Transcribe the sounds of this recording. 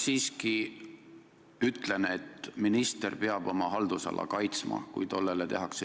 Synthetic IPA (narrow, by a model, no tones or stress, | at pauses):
siːski | yt̪ˑlenet̪ːminist̪erpeɑb̥o̞mɑɦɑld̪usɑ̰lʔɑ̰kɑjt̪smɑ̰kṵjt̪o̞lːelet̪e̞ɦɑkse